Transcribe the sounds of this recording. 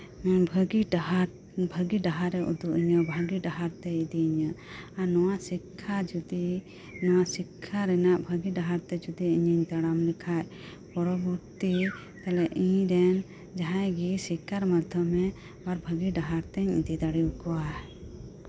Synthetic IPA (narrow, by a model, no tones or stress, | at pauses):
mɛnbʱəɡiɖaɦaɾ | bʱəɡiɖaɦaɾɛʔud̪uʔiɲɔbʱaɡiɖaɦaɾt̪ɛid̪iiɲə | anɔwaʔsikʰːad͡ʒud̪i | nɔwasikʰːaɾɛnaʔbʱəɡiɖaɦaɾt̪ɛd͡ʒud̪iiɲəɲt̪aɽamlikʰaʔ | pɔɾɔbuɾt̪i | t̪alɛʔĩɲd̪ɛn | d͡ʒaɦãjɡisikːaɾmad̪ʱjɔmɛ | waɾbʱəɡiɖaɦaɾt̪ɛɲid̪id̪aɽiukɔwa